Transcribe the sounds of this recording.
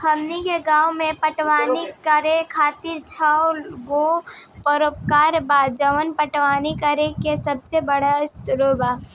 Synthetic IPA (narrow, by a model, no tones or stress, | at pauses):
pʰəmnikeɡãːumẽpəʈwaːnikəɾekʰaːt̪ɪɾt͡ʃʰəwɡopəɾoːp̚kaːɾbaːd͡ʒəʋənpəʈʋaːnikəɾekesəb̚sebəɽast̪ɾobaː